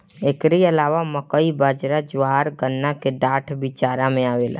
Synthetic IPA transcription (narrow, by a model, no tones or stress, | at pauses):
eːkɾiəlaːʋaməkəibaːd͡ʒɾad͡ʒʋaːɾɡənːakeɖaːʈʰbɪt͡ʃaːɾamẽaːʋeːla̰ː